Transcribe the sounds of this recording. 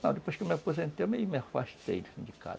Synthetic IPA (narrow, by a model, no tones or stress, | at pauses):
nɐ̰̃d̪epojsʃkewmeapozẽnt̪ememiafa̰ʃt̪ḛjd̪ezĩd͡ʒika̰d̪